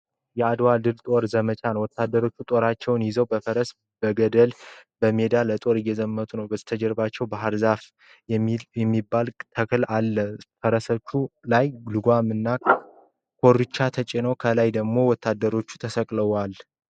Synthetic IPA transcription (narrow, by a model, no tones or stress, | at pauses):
jɛad̪wald̪ɨlt̪ʼo̞ɾzəmət͡ʃʰʼanəwɔt̪ːad̪ːəɾo̞t͡ʃːut̪ʼo̞ɾat͡ʃːɛwnjɪzəwbəfəɾəs | b̥əɡəd̪əlbəme̞d̪alət̪ʼo̞ɾɪjːɛzəmːət̪ʰʼunəwbəzt̪ʰəd͡ʒɛɾbat͡ʃːɛwbaɦəɾzaf | jɛmːibːalt̪ʰəkʰɨlalːəfəɾəsət͡ʃːulajlɨɡʷamɨnːa | kʰo̞ɾɨt͡ʃːat̪ʰət͡ʃʼɪnəwkʰəlajd̪əɡmo̞wɔt̪ʰːad̪ːəɾo̞t͡ʃːu̥t̪ʰəsəkʼləwal